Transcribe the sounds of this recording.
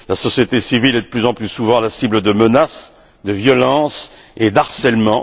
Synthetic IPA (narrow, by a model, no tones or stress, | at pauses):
lasɔsjet̪esivilɛd̪əplyzɑ̃plysuvɑ̃lasibləd̪əmənas | d̪əvjɔlɑ̃s | ed̪aʁsɛlmɑ̃